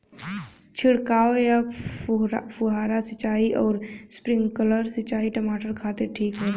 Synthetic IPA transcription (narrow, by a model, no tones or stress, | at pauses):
t͡ʃʰɪɽkaːoja | pʰʊɦaːɾasɪt͡ʃaːiʔɔːɾspɾɪ̃ŋɡkələɾsɪt͡ʃaːiʈəmaːʈəɾkʰaːt̪eʈʰiːkɦɛː